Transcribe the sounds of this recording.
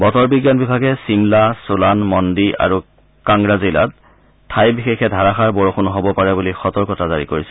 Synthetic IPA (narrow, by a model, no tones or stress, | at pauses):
bɔtɔɹbiɡjanbibʱaɡɛsimlasulanmɔndiʔa̰ɹu | kaŋɹazila̰t | tʰːajbixexɛdʱaɹaxaɹbɔɹoxunɦobɔpaɹɛbulixɔtɔɹkɔtazaɹikoɹisɛ